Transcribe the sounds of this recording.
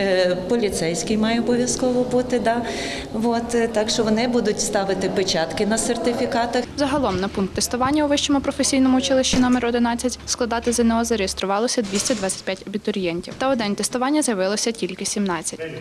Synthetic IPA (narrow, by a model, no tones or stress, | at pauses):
pɔlʲit̪sɛjsʲkɪjmɑjɛɔbɔʋʲjɐskɔʋɔbut̪ɪd̪ɑ | ʋɔt̪t̪ɑkʃt͡ʃɔʋɔnɪbud̪ʊtʲst̪ɑʋɪt̪ɪpet͡ʃɑt̪kɪnɐsert̪ɪfʲikɑt̪ɐxzɐɦɐlˠɔmnɐpunkt̪ːest̪ʊʋɑnʲːɐuʋɪʃt͡ʃɔmʊpɾɔfesʲijnɔmʊʊt͡ʃɪlˠɪʃt͡ʃinɔmɛɾɔd̪ɪnɑt͡sʲːɐtʲsklˠɐd̪ɑt̪ɪzɐnɛɦɔzɐɾejest̪ɾʊʋɑlˠɔsʲɐd̪ʲʋʲisʲtʲɐd̪ʋɑt͡sʲɐ̥tʲpjatʲɐbʲit̪ɔɾʲjɛnʲtʲiwt̪ɐɔd̪ɛnt̪est̪ʊʋɑnʲːɐzjɐʋɪlˠɔsʲɐtʲilʲkɪsʲimnɑt͡sʲːɐtʲ